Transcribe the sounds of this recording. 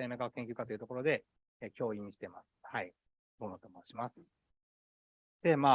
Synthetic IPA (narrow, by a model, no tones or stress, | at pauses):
emekaakeŋkʲiɨ̟kat̪o̞iɯ̟t̪o̞ko̞ɾo̞d̪e̞ | eːkʲo̞ːĩɲɕi̥t̪e̞ma̰sɨ̥hai | ɡonot̪omoːɕimasɨ̥ | d̪̥e̞maː